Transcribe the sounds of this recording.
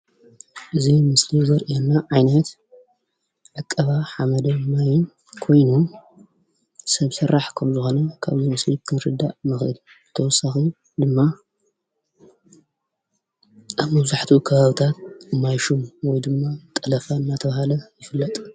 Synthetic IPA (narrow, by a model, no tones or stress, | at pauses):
ʔɨzimɨslizɐɾʔiɛnːaʕajnɐt̪ | ʕɨkʼːɐβaħamɐd̪omːaj | kʰo̞jnu | sɐβsɨrːaħkʰɐmzɨxo̞nɐkʰaβzimɨslikʰɨnɾɨd̪ːa̰ʔmɨxʔɨl | ɨt̪ʰɐwɔsːaxi | d̪ɨmːa | ʔaβmɐβzaħt̪ʰukʰɐβaβɨt̪ʰat̪̚ɨmːajʃumwɔjd̪ɨmːat̪ʼɐlɐfaɨnːat̪ʰɐβahalɐjɪfɨlːɐt̪ʼ